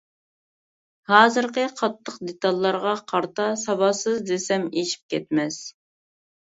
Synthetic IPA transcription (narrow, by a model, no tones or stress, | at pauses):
hɑːzɨɾqəqʰɑt̪ʰːəqd̪et̪ɑlˠːɑɾʁɑqʰɑɾt̪ɑsɑwɑsɨzd̪esɛmeʃi̥p̚kʲʰɛt̪̚mɛs